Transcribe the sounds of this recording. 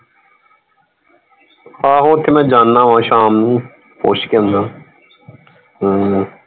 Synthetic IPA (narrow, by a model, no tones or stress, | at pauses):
haːɦoːt̪ʰemɛ̃ːd͡ʒaːnːãːʋãːʃaːmnũː | po̰ːʃkeə̃nd̪aː